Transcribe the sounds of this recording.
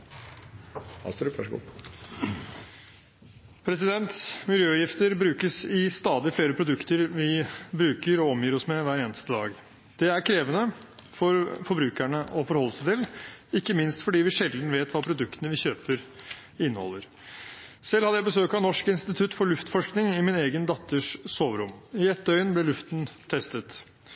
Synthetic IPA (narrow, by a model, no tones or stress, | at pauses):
ɑ̰st̪ɾɑʂɡṵː | pʰɾɛsɪd̪ɛnt̪mɪljøːjɪft̪əɾbɾʉːkəsɪst̪ɑːd̪ɪfleːɾəpʰɾʊd̪ʉkt̪əɾʋɪbɾʉːkəɾɔɔmjiːɾɔsmɛʋæːɾeːnəst̪əd̪ɑ̰ːɡ | d̪̥ɛæɾkʰɾeːʋənəfɔɾfɔɾbɾʉːkæɳəʔɔfɔɾhɔlːəsæt̪ʰɪlɪkːəmɪnst̪fɔɖiːʋɪʂɛln̩ʋeːt̪ʋɑːpʰɾʊd̪ʉkt̪ənəʋɪçøːpəɾ | ɪnːəhɔ̰lːəɾ | sɛlːhɑd̪əjæɪbəsøːkɑʋnɔʂkəɪnst̪ɪt̪ʰʉt̪ːfɔɭʉft̪fɔʂknɪŋɪmɪneːɡənd̪ɑt̪ːəʂsoːʋɾʊmɪɛt̪ːəœʏnblɛlʉft̪ənt̪ʰɛst̪ət̪